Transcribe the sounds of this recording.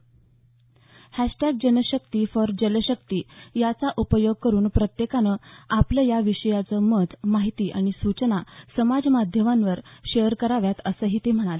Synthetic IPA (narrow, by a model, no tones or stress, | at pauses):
hæɕʈaɡ̚d͡ʑənəɕəkt̪iːfəɾd͡ʑələɕək̚t̪iːjat͡saʔupəjoɡ̚kəɾuːnpɾət̪jekanəːapləjaʋiɕəjat͡səməd̪maɦit̪iːʔa̰ɽ̃isut͡snasəmad͡zmad̪ʱjəmanʋəɾɕejəɾkəɾaʋjat̪əsəɦiːt̪em̤əɽ̃ale